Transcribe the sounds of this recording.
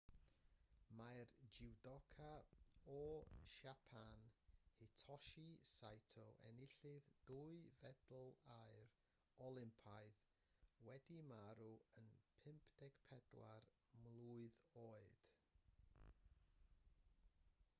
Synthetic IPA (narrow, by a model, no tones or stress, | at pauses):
majrd͡ʒɪwdɔkʰaɔʃapʰanhɪtʰɔʃisajtʰɔʔɛ̰nɪɬɪðd̥uɨvɛdl̩ˠaɨr | ɔlˠɪmpʰaɨð | wɛdimaɾuənpʰɪmpʰd̥ɛɡ̥pʰɛd̥la̰r | mlˠuɨðoːɨd̥